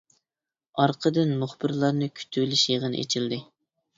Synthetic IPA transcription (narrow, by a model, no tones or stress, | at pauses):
ɑɾqʰəd̪ɨnmuχbɨɾlˠɑɾnɨkʲʰy̥t̪ʰylɪʃjeʁənɨ̰ʔḛt͡ʃʰild̪ɪ